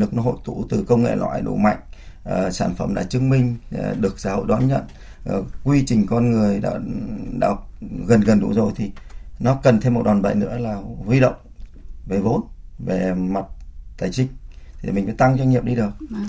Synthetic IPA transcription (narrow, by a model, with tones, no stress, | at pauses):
ɨ˨˩ək̚nɔ˨˦ɦo̰˧˨jt̪u˧˩t̪ɨ˨˩kə˧wŋ͡mŋḛ˧˨lwa̰ː˧˩jɗo̰˧˨ma̰˧˨jŋ̟ʔsaː˧˩nfə˧˩mɗa̰ː˧˥t͡ɕɨ˧əŋmï˧ŋ̟˧˨˩ɗɨ˨˩ək̚saː˧˦ho̰˧˨jɗwaː˨˦nɲə̰˧˨n˨˩ | kwi˧t͡ɕï˨˩ŋ̟kɔ˧nŋɨ˨˩əjɗa̰ː˧˥ɗa̰ː˧˥ɣə˨˩nɣə˨˩nɗṵ˧˥zo˨˩jt̪ʰi˨˩nɔ˨˦kə˨˩nt̪ʰe˧mːo˨˩t̚ɗaː˨˩nɓə̰˧˨jnɨ̰˧˥əlaː˨˩hwi˧ɗə̰˧˨wŋ͡mve˨˩vo̰˧˨˥nve˨˩ma˨˩t̚t̪aː˨˩jt͡ɕï˧˦ŋ̟̚t̪ʰi˨˩mi˨˩ŋ̟va̰˧˦jt̪a˧ŋzwa˧ŋ̟ŋi˨əp̚ɗi˧ɗɨ˨˩ək̚